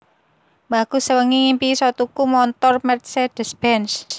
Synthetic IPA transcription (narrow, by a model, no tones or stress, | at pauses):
maɡ̥ṳsəwəŋiŋimpisɔt̪ukumɔnt̪ɔrmɛrt̪̚sed̥ə̤sbɛns